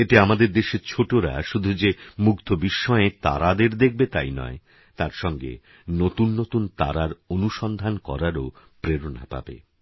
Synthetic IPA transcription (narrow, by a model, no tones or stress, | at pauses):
eʈeamad̪eɾd̪eʃeɾt͡ɕʰoʈoɾa̰ʃud̪ʱud͡ʑemuɡd̪ʰʱobiʃːɔet̪a̰ɾad̪eɾd̪ek̚ʰbet̪a̰jnɔ̰e | t̪aɾʃɔŋɡḛ | not̪unːot̪unt̪a̰ɾaɾonuʃɔnd̪ʱankɔ̰ɾaɾo | pɾeɾona̰pa̰bḛ